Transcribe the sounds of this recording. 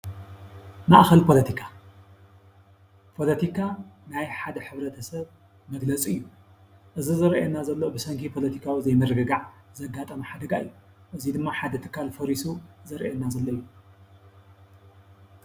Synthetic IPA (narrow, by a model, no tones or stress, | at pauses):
maʔxɐlpʰo̞lɐt̪ʰikʰa | pʰo̞lɐt̪ʰikʰanajħad̪ɐħɨβɾɐt̪ʰɐsɐβ | mɐɡlɐt͡sʼɨjːu | ʔɨzizɨɾʔenːazɐlːɐubɨsɐŋkʰipʰo̞lɐt̪ʰikʰawizɐjmɨɾɨɡɨɡaʕzɐɡːat̪ʼɐmuħad̪ɐɡaɨ̰jːu | ʔɨzid̪ɨmːaħad̪ɐt̪ʰɨ̥kʰːalfɐɾisuzɐɾʔenːazɐlːɐɨjːu